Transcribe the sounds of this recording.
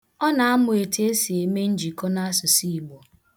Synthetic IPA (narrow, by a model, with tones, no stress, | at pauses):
ɔ˦na˨a˦mʊ˨e˨te˦e˦si˨e˨me˦n̩˦d͡ʒi˨kɔ˦na˦a˦sʊ˨si˦˨i˨ɡ͡bo˨